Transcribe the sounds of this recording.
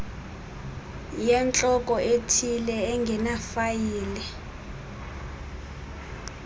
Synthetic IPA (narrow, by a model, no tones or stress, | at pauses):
jɛnt͡ɬʼɔk̬ʼɔʔetʰilɛːŋɡʱɛnafajiːlɛ